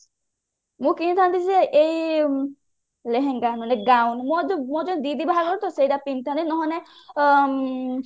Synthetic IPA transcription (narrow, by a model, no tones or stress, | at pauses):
mũkinit̪ʰant̪isɛʔej | leɦeŋɡanɔnɛɡawnmɔmɔd͡ʒɔnd̪id̪ibaɦaɡɔɾt̪ɔsejɾapint̪ʰant̪inɔɦɔne